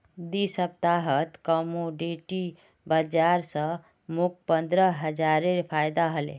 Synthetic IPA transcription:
d̪isəp̚t̪aɦət̪kəmoɖeʈi | bəd͡ʒaɾsə̃ | muk̚pənd̪ɾəɦəd͡ʒaɾeɾpʰajd̪aɦəlḛ

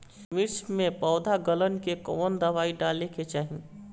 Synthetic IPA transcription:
mɪɾt͡ʃmẽpɔːʊd̪ʱaɡələnkekɔːnd̪ɐʋaːiɖaːleket͡ʃaːɦi

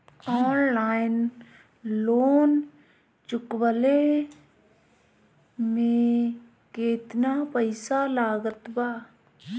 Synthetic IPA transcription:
ɔːnlaːɪn | loːn | t͡ʃʊkwəle | mẽ | keːt̪napəɪsalaːɡət̪baː

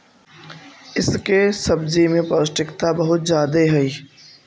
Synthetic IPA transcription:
ɪskesɐbd͡ʒimẽpəsʈɪkt̪abɐɦʊt̪̚d͡ʒjaːd̪eɦɛiː

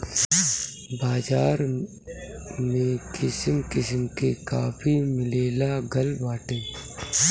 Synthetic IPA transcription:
baːd͡ʒaːɾ | mẽkɪsəmkɪs̬mkekaːpʰimɪleːlaɡɐlbaːʈẽː

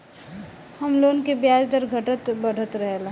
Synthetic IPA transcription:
hɐmloːnkebjaːd͡ʒd̪əɾɡʱəʈət̪bəɽ̤ʱət̪ɾəɦela

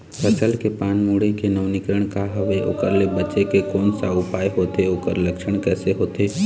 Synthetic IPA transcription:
ɾət͡ʃəlkepaːnmuːɽekenəʋnɪkɾəɽ̃kaɦəʋeo̰ːkəɾlebət͡ʃekekoːnsaʊpaːjɦoːt̪eoːkəɾləkʃəɽ̃kɛːseɦoːt̪eː

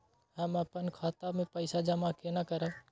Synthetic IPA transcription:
həməpənkʰaːt̪amẽpəɪsad͡ʒəmakenakəɾə

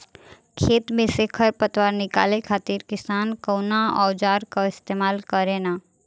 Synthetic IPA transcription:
kʰeːt̪mẽsekʰəɾpət̪ʋaːɾnɪka̰ːlekʰaːt̪ɪɾkɪsaːnkəwnaɔ̰ːd͡ʒaːɾkaɪst̪eːmaːlkəɾenaː

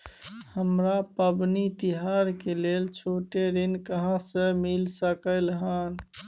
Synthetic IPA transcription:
həmɾapəbnit̪iɦaɾkelelt͡ʃʰoʈeɾinkəɦãsəmilsəkəlɦən

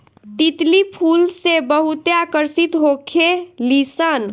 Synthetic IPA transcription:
t̪it̪lipʰulsebəɦut̪eakəɾsit̪ɦokʰelisən

